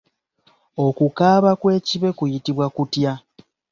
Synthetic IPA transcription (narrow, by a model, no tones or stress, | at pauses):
o̞kukaːβakwe̞ːciβe̞kujitiβwakutja